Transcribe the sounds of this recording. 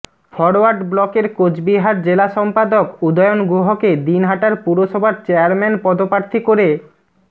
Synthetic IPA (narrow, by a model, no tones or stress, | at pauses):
fɔɾoaɾɖblɔkeɾkod͡ʑbiɦaɾd͡ʑelaʃɔmpad̪okud̪ɔjonɡuɦoked̪inɦaʈaɾpuɾoʃɔbʱaɾt͡ɕeaɾmɛnpɔd̪opaɾt̪ʰikoɾe